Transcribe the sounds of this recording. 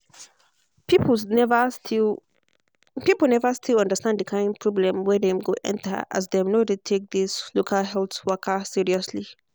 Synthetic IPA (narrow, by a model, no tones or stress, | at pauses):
pipnɛvəti | pipl̩ˠnɛvəstʰilʌ̃ndəstãnddəkʰãɪ̃nd̚pʰɹ̥ɔblɛ̃mwɛ̃dɛ̃mɡoʔɛ̰̃ntʰə̰ʔa̰z̬ðɛ̃mnodetʰek̚ðislokʰalɦɛlθwɜkʰəsiɹiɔsli